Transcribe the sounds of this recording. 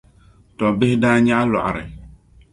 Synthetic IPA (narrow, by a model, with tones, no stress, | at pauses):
tɔ̃˨be˦hdã˦ɲã˦lɔ̰˨ʔɾɪ̰˨